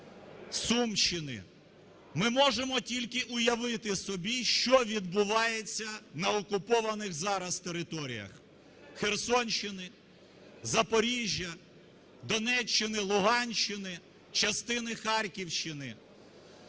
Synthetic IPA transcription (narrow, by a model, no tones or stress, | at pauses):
sumʃɪnɪ̰ | mɪmɔʒemɔtʲilʲkɪʔʊjɐʋɪt̪ɪsɔbʲiʃt͡ʃɔʋʲid̪̚bʊʋɑjet͡sʲːɐnɐɔkʊpɔʋɐnɪxzɑɾɐst̪eɾɪt̪ɔɾʲḭjɐ̰x | xersɔnʲt͡ʃɪnɪ | zɐpɔɾʲiʒʲjɐ | d̪ɔnɛt͡ʃːɪnɪlˠʊɦɑnʲʃt͡ʃːɪnɪ | t͡ʃɐst̪ɪnɪxɑrʲkʲiwʃt͡ʃɪnɪ